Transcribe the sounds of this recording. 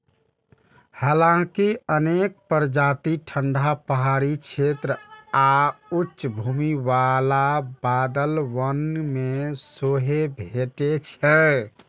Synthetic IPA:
halãkiənek̚pəɾd͡ʒat̪iʈʰəɳɖʱapəɦaɾikt͡ʃʰet̪ɾəautːʃbʱuːmiʋalabad̪əlʋənmesoɦebʱeʈet͡ʃʰɛ

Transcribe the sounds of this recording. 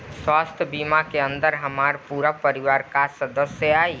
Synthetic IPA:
swast̪ʰjəbimakeə̃nd̪əɾɦəmaɾpuɾapəɾiwaːɾkasəd̪əsjəai

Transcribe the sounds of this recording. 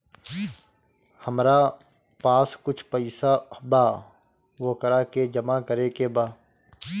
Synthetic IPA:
həmɾa | paːskʊt͡ʃʰpəɪsabaː | ʋokəɾaked͡ʒəmakəɾekebaː

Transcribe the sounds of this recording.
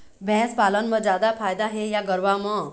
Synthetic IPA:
bʱɛ̃spalənməd͡zjad̪apʰajd̪aɦejaɡəɾʋamə

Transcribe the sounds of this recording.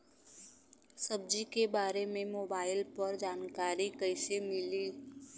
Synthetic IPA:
səb̚d͡ʒikebaːɾemẽmoːbaːɪlpɐɾd͡ʒaːnkaːɾikəɪsemɪliː

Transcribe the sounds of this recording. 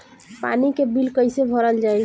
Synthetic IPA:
pa̰nikebilkəɪjsebʱəɾəld͡ʒaj

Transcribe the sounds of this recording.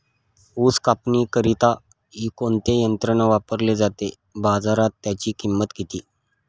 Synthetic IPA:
uːskapniːkəɾit̪a | ɦiːkont̪ejənt̪ɾənaʋapəɾled͡zat̪e | bad͡zaɾat̪ːjat͡ɕiːkimːət̪ɡit̪iː

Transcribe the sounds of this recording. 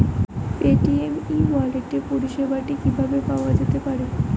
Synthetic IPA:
peʈiemiwaleʈepuɾiʃebʱaʈikibʱabepaoad͡ʑet̪epaɾe

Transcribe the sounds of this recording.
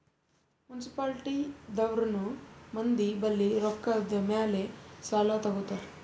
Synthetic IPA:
munsi̥paːlʈid̪ɐʋɾɐnumɐnd̪ibɐlːiɾɔkːɐd̪ɐmjaːlesaːlat̪ɐɡut̪ːaɾ

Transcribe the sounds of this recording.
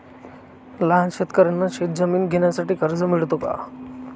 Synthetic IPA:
laɦanɕet̪kəɾenːaɕet̪̚d͡zəmiːnɡʱeɳjasaʈiːkəɾd͡zəmiɭt̪oka̰

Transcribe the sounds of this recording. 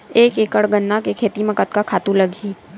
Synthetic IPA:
eːkeːkəɽɡənːakekʰeːt̪imɐkət̪kakʰaːt̪ũlɐɡʱiː

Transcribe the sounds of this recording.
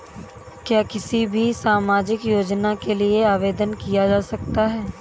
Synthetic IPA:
kjaːkɪsibʱisaːmaːd͡ʒɪkjoːd͡ʒnakelieaːʋeːd̪ənkijad͡ʒaːsɐk̚t̪aɦɛː

